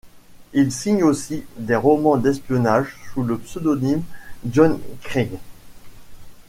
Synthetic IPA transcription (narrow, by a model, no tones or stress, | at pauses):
ilsiɲosid̪eʁɔmɑ̃d̪ɛspjɔnaʒsuləpsød̪ɔnimʒɔnkχiŋ